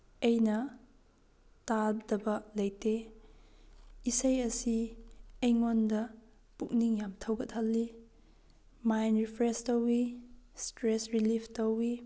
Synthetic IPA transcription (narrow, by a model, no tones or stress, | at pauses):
ɐjnɐ | tab̚dɐbɐlɐjte | isɐjɐsiejŋondɐ | puk̚niŋjamtʰɐwɡɐt̚hɐlːi | majnɾipʰɾestɐwistɾesɾilipʰtɐwi